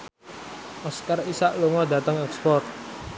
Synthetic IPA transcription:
ʔɔskarisaʔluŋɔda̤t̪əŋɛkspɔrt̪̚

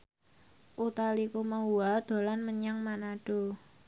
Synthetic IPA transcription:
ʔut̪alikumauad̪̥o̤lanməɲaŋmanaɖ̥o̤

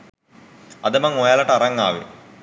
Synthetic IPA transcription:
ɐd̪ɐmɐŋojaːlɐʈːɐrɐŋːa̰ːʋɨ̰

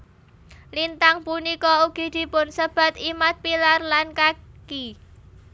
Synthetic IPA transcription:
lint̪aŋpunikɔuɡ̥i̤d̪̥i̤pʊnsəb̥ä̤t̪imat̪̚pilarlankaki

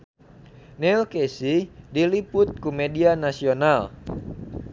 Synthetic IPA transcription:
nɛlkesidilipʊt̪̚kumedianasional

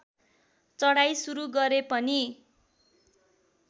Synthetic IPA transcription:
t͡sʌɽajsuɾuɡʌɾepʌni

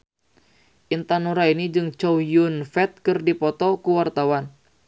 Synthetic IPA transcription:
ʔint̪anuɾainid͡ʒɨŋt͡ʃɔwjunfɛt̪̚kɨrdipɔt̪ɔkuwart̪awan

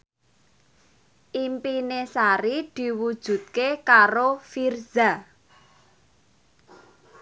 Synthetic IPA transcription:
ʔimpinesaɾid̪̥i̤wud̥ʒ̥ṳt̪̚kekaɾofirz̥a

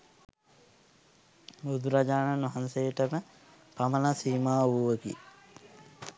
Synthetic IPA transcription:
bud̪uɾad͡ʒaːnanʋɐɦansejəʈəmə | paməlasiːmaːuʋəkḭ

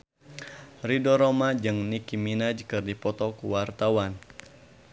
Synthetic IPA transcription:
ridɔɾɔmad͡ʒɨŋnikiminad͡ʒkɨrdipɔt̪ɔkuwart̪awan

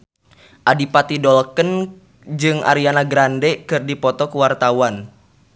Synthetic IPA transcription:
ʔadipat̪idɔlkən | d͡ʒɨŋʔa̰ɾianaɡɾandɛkɨrdipɔt̪ɔkəwart̪awan

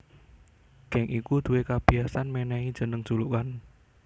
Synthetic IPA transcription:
ɡ̥ɛŋʔikud̪̥uwekab̥i̤ɦasanmenɛid̥ʒ̥ə̤nəŋd̥sulukan

